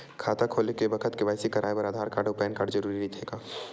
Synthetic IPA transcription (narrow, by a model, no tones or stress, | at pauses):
kʰaːt̪akʰoːlekebəkʰət̪keʋaːɪsikɐɾʔaːjbɐɾaːd̪ʱaːɾkaːɖopɛːnkaːɖd͡ʒəɾuːɾiɾit̪ʰɦeːɡaː